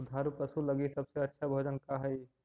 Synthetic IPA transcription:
d̪ʱaːɾupəsulɐɡisɐbseɐtːʃʰabʱod͡ʒənkaɦɛi

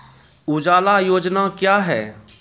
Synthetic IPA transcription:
ʊd͡ʒaːlajoːd͡ʒnakjaːɦɛː

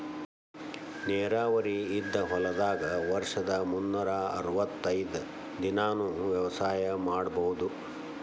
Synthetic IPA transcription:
nɛːɾaːʋɐɾiːd̪ːɐɦɔlɐd̪aːɡɐʋɐɾʂɐd̪ɐmunːɐɾaɐ̰ɾʋɐt̪ːɐjd̪ɐ | d̪inaːnuʋjɛʋɐsaːjɐmaːɽɐbɐɦud̪u

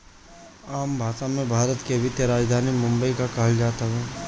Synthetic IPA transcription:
aːmbʱaːsamẽbʱaːɾət̪keɐʋɪt̪jəɾaːd͡ʒd̪ʱaːnimʊ̃mbəikakɐɦəld͡ʒaːt̪aɦɛː

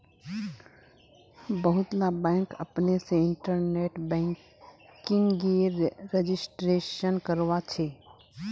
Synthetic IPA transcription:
bəɦʊt̪labɛ̃ːŋkɐ̰pneseɪ̃ɳʈəɾneːʈbɛ̃ːŋk | kɪ̃ŋɡeɾed͡ʒɪsʈɾeːʃənkəɾwat͡ʃʰeː

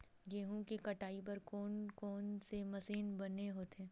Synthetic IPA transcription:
ɡeːɦũkikɐʈaːip̬ɐɾkɔːnkɔːnsemɐsiːnbɐnːeɦoːt̪eɦɛ̃ː

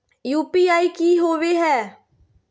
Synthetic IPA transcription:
juːpiaːikiːɦoːʋeɦɛː

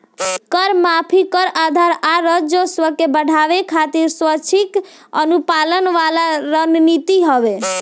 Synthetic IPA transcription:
kəɾmapʰikəɾad̪ʱaɾaɾəd͡ʒoswəkebəɽ̤ʱaʋekʰat̪iɾswət͡ʃʰik | ənupalənʋalaɾənnit̪iɦəbe

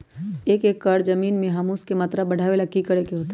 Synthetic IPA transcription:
eːkeːkːəɽd͡ʒɐmiːnmẽɦɐmuskemɐt̪ɾabɐɽ̤ʱaːʋelakikəɽekeɦoːt̪e

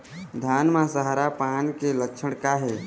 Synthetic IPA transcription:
d̪ʱaːnmãsəɦaɾapankeləkt͡ʃʰəɽ̃kaɦe

